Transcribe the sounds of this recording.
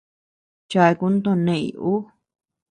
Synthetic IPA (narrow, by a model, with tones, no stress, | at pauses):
t͡ʃa˧e˧ku˧˦nd̪õ˦˧nẽ˧˨ḭ˨˧˨ʔu˦